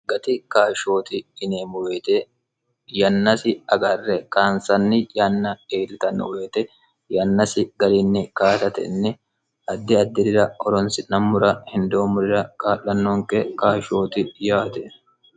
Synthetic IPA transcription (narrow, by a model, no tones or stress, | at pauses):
ɡɐt̪ɪkaːʃo̞ːt̪ɪːneːmʊweːt̪e | jɐnːɐsɪɐɡɐrːɛkaːnsɐnːɪjɐnːɐeːlɪt̪ɐnːɔ̰weːt̪ɛ | jɐnːɐsɪɡɐɾɪnːɪkaːt̪ɐt̪ɛ̰nːɪ | ʔɐd̪ːɪɐd̪ːɪd̪ɪɾɐhɔɾɔnsɪnɐmːʊɾɐhɪnd̪oːmʊɾɪɾɐkʼaːlːɐnːoːŋkɛkaːʃo̞ːt̪ɪjaːt̪ɛ